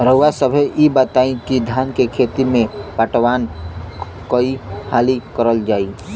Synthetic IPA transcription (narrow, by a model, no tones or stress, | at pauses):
ɾəwasəbʱeibət̪aːĩkid̪ʱjaːnkekʰeːt̪imẽpəʈwaːn | koihaːlikəɾəld͡ʒaːi